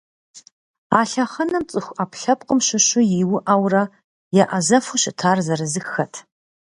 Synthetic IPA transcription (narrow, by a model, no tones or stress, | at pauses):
aːɬɐχɐnɐmt͡sʼɨxʷapʰɬɐpʼqʼəmɕʊɕʷʊjiwʊʔawrɐ | jɛʔɐzɐfʊɕɪtʰaːrzɐrɨzɨxɐtʰ